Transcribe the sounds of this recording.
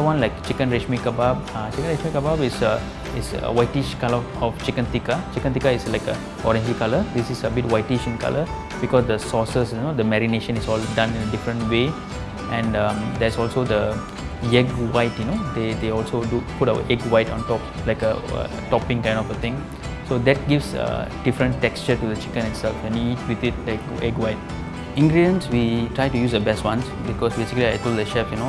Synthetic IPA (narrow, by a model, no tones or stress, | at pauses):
dəwãnlaɪkt͡ʃikə̃nɹeʃmikabab̚at͡ʃikə̃nɹeʃmikababisə | isə̰waɪtiʃkalə | ɔft͡ʃikə̃nt̪ikat͡ʃikə̃nt̪ikaislaɪkə | ɔɾɛ̃nd͡ʒikaləd̪isisəbitwaɪtiʃĩnka̰lʔə | bikɔsd̪əsɔsəsjunod̪əmɛɾineʃə̃nisɔldãnĩnədifɾə̃ntwe | ɛ̃nʌ̃md̪ɛsɔlsod̪ə | jɛɡwaɪtjunod̪ed̪eɔlsoduputaʊə̰ʔɛɡwaɪtɔ̃ntɔp̚laɪkə̰ | tɔpĩŋkãɪ̃ndɔfət̪ɪ̃ŋ | sod̪ɛt̚ɡivsə̰d̥ifɾə̃ntːɛkst͡ʃətud̪ət͡ʃi̥kə̃nɪtsɛlfwɛ̃njiiːt̚wit̪ɪt̚laɪk | ɛɡwaɪt̚ | ĩŋɡɾidiə̃nswitɹajtujuːsəbɛstwãns | bikɔsbesikəliaɪtold̪əʃɛfjuno